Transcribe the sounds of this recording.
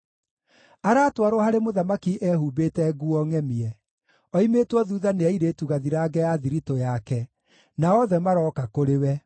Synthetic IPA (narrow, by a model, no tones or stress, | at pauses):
aɾaːtwaɾohaɾemoðamakiʔɛhubetɛɡuɔŋɛmiɛ | ɔimeːtwɔðuːðaneɛiɾetuɣaðiɾaːɡɛjaðiɾitojakɛ | naɔðɛmaɾɔkakoɾewɛ